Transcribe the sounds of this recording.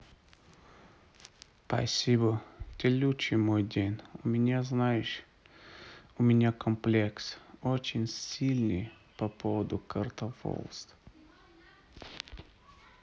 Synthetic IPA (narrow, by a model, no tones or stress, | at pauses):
pɐ̰sʲibət̪ʲɪlʲut͡ɕɪmojdʲenʲʊmʲɪnʲaznajɪʂ | ʊmʲɪnʲakəmplʲeksot͡ɕɪnʲsʲilʲnɨj | pɐpʰovəd̪ʊkərt̪əfo̰lˠst̪